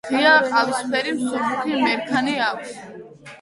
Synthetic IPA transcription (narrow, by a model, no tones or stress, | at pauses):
iaqʼalusχʰɛɾimsɔχut̪ʰimɛɾkʰaniakʷʰs